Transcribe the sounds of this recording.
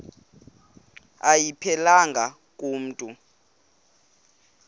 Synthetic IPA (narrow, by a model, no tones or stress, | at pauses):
ajipʰɛlaŋɡʱa | k̬ʼum̩ːtʼu